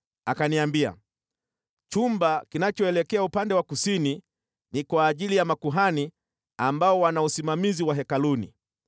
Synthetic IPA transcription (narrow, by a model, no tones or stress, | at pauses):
akaniambia̰ | t͡ʃumbakinat͡ʃɔɛlɛkɛaupandɛwakusini | nikwaːʄilijamakuɦani | ambaɔwanausimamiziwaɦɛkalunḭ